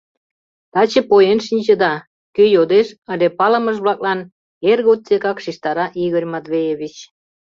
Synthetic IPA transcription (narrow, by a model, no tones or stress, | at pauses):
t̪ɑt͡ɕə̆pojenʃinʲt͡ɕə̆d̪ɑ | køjod̪eʃəlʲepɑlə̆məʒβlɑk̚lɑn | erɣot̪̚t͡sekɑkʃiʃt̪ɑɾɑʔiɣərʲmɑt̪βejeβʲit͡ɕ